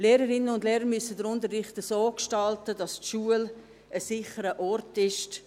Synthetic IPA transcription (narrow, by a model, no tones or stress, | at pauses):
leːɾəɾɪnəʊndleːɾəɾmysədəɾʊndərːɪχtəsoːkʃtɑltədɑstʃuəl | əsɪχəɾəʔɔrtɪʃt